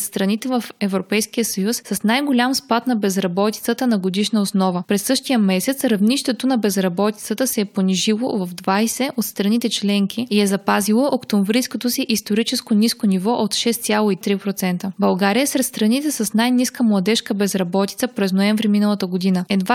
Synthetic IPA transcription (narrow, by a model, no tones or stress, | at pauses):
st̪ɾɐnit̪ɛvəfɛvɾopɛjsk̟ijəsəjusːɐsnajɡolʲamspat̪nɐbɛzɾɐbɔt̪i̥t̪sət̪ənɐɡod̪iʃnəosnɔvəpɾɛsːɤʃt̪ijəmɛsɛt̪sɾɐvniʃt̪ɛt̪onɐbɛzɾɐbɔt̪i̥t̪sət̪əsɛɛponiʒilˠo̰vɐvd̪vajsɛʔot̪st̪ɾɐnit̪ɛt͡ʃlɛŋkʰiiɛzɐpazilˠəʔokt̪omvɾijskot̪osiʔist̪oɾit͡ʃɛskoniskonivɔʔot̪ʃɛst̪sʲalˠoit̪ɾipɾot̪sɛnt̪əbɐlˠɡaɾijəsɾɛt̪st̪ɾɐnit̪ɛsɐsnajniskəmlˠɐd̪ɛʃkəbɛzɾɐbɔt̪it̪səpɾɛznoɛɱvɾiminəlˠət̪əɡod̪inəɛd̪va